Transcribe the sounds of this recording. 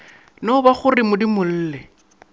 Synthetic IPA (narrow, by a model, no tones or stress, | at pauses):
naʊbaχʊrɪmʊdimʊl̩ːlɛ